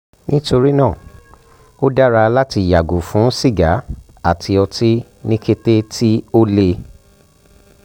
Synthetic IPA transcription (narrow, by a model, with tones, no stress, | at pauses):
nĩ˦to˧ɾi˦nãː˦˨ | o˦da˦ɾa˧la˦ti˧˨ja˨ɡu˨fũ˨˦si˦˨ɡa˨˦ | a˦˨tʰi˧ɔ˧ti˦nĩ˦ke˦te˦tʰi˦o˦le˧